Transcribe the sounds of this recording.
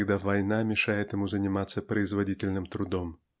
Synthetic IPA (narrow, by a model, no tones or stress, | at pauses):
ɡd̪avajnamʲɛʂajɛt̪jɐmuzɐnʲɪmat̪sːɐpɾɐjzvadʲit͡sʲɪlʲnɨmt̪ɾud̪ɔm